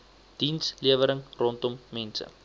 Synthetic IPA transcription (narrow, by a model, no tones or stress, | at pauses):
d̥insliəvəɾəŋrɔntɔmːɛnsə̰